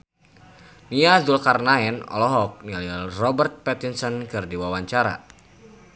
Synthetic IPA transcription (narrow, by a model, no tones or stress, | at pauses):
niadulkarnaɛnɔ̰lɔɦɔk̚nililrɔbərt̪̚pɛt̪insɔnkɨrdiwawaɲt͡ʃaɾa̰